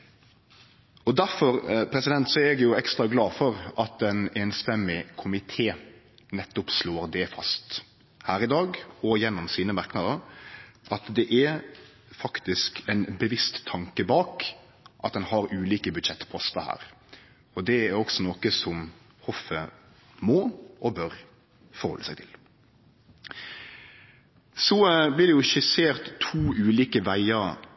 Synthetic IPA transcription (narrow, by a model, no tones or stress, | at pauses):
ɔd̪æɾfɔɾpʰɾɛsɪd̪ɛnt̪sɔæɛɡjʊɛkst̪ɾɑɡlɑːfɔɾɑt̪ɛneːnst̪ɛmɪkʰʊmɪt̪ʰeː | nɛt̪ːɔpsloːɾd̪ɛfɑst̪ | hæːɾɪd̪ɑːɡɔjɛnːʊmsiːnəmɑɾknɑd̪əɾʔɑt̪d̪ɛʔæ | fɑkt̪ɪskɛnbəʋɪst̪ʰːɑŋkəbɑːk | ʔɑt̪̚d̪ɛnhɑɾʉːliːkəbʉd̪ʃɛt̪ːpʰɔst̪əhæ̰ːɾ | ɔd̪ɛæɾɔksɔnoːkəsɔm | hɔfə | moːʔɔbœɾ | fɔɾhɔ̰lːəsæɪt̪ʰɪl | sɔblɪʁd̪ɛjʊʃɪseːɾt̪ʰːuːʉːliːkəʋæɪəɾ